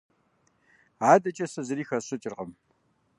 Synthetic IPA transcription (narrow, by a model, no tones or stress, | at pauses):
aːdɐt͡ʃʼɐsɐzɨɾiːxɐɕʼɪt͡ʃʼɪrqʼəm